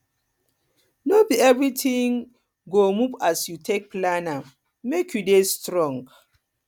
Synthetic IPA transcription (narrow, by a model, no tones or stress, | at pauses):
nobiɛvɹitʰĩŋ | ɡomuvasjutʰek̚plana | mekʰjudestɹɔ̃ŋɡ